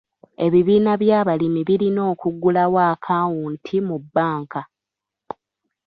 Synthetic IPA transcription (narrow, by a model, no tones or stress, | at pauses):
e̞βiβiːnaβjaːβalimiβiɾino̞ːkuɡːulawaːkʰaːwuntʰimubːaːŋka